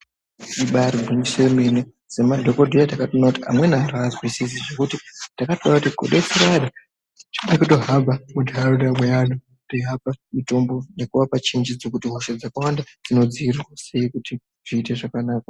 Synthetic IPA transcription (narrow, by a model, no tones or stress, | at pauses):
siɓaɾiɡʱumisoimene | z̥emadʱoko̞dʱijatakatonakutia̰mwe̞naantʰuazwisis̬iʐe̞kutitakatoakutiko̰ɗesiɾaɗa | t͡ʃiekutoɦabamudʱaɾudamwejano | toɦabamito̞mbo̞ne̞kuʋapat͡ʃind͡ʒid͡zokutiɦo̞ʃad͡zakawanda | d͡zino̞d͡ziːrirwase̞ikuti | ʐ̥iːte̞ʐakanaːk̚a